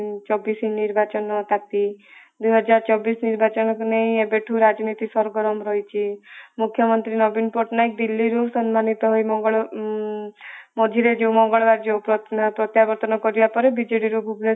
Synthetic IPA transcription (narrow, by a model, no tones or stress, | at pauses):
t͡ʃɔbisiniɾbat͡ʃɔnɔt̪at̪i | d̪ujɦɔd͡ʒaɾt͡ʃɔbisniɾbat͡ʃɔnɔkuneĩebeʈʰuɾad͡ʒɔnit̪isɔɾɡɔɾɔmɾɔɦit͡ʃʰimukʰjɔmɔnt̪ɾinɔbinpoʈnajk̚d̪ilːiɾusɔnmanit̪ɔɦojmɔŋɡɔɭ | mɔd͡ʒ̪ʱiɾed͡ʒeumɔŋɡɔɭbaɾd͡ʒeupɔpɾɔt̪jabɔɾt̪ɔnɔkɔɾibapɔɾebid͡ʒiɽiɾubʱuble